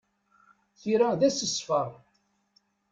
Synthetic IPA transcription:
θiɾæðæsəsfəɾˤ

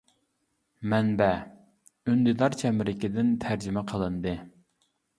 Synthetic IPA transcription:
mɛnbɛ | ønd̪ɪd̪ɑɾt͡ʃʰɛmɾɪkʲid̪ɪnt̪ʰæɾd͡ʒɪmɛqʰəlˠɨnd̪ɨ

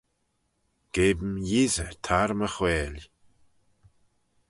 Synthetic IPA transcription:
ɡ̥eːbmjizət̪ʰaɾməxwɛːlʲ

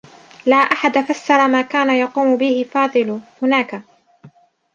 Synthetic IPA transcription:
laːʔaħad̪afasːɑɾˤɑmaːkaːnajɑquːmʊbɪhɪfɑːðˤɨlhʊnaːka

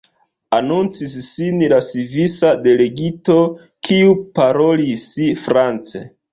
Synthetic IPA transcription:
anunt͡sisːinlasivisade̞le̞ɡito̞ | kʰiupaɾo̞lisifɾant͡sḛ

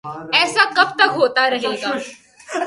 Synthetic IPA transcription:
ɛːsakɐbt̪ɐkɦoːt̪aɾɐɦeːɡaː

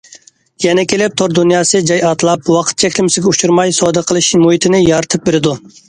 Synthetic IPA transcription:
jɛnɛkʲʰelɪp̚t̪ʰoɾd̪unjɑːsɨd͡ʒɑjɑt̪ʰlˠɑpwɑqʰə̥t̪̚t͡ʃʰɛkʲlɪmɪsɪɡʲɛut͡ʃʰuɾmɑjsɔːd̪əqʰəlˠɨʃmuɦit̪ʰɪnɪjɑɾt̪ʰɨp̚beɾɪd̪u

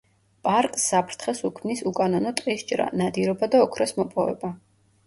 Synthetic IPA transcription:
pʼaɾkʼsːapʰɾt̪ʰχɛsukʰmnisukʼanɔnɔt̪ʼqʼist͡ʃʼɾa̰nad̪iɾɔbad̪aɔkʰɾɛsmɔpʼɔvɛ̰ba

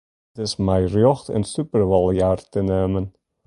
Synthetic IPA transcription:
tɪsmɛjrjɔχtə̰nsypərʋɑlˠjaːrtəneːmən

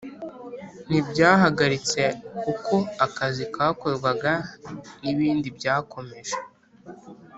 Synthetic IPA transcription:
n̥ibɟaːɦaɡaɾit͡se̞kukʰo̞akazikaːko̞ɾɡwaɡaiβiːndibɟaːkʰo̞me̞ʒe

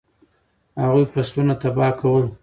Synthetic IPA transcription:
haɣujpastunat̪abɑkʰawəl

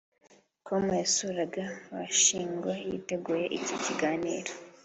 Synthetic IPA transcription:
kʰomujesuɾaɡaβa̰ʃiːŋɡwajḭteɡuːjeʔiciciɡaːniːɾo

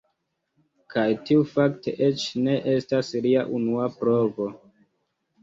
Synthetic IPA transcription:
kʰajtiufakteʔet͡ʃne̞ʔe̞stasliaʔunuapɾovo̞

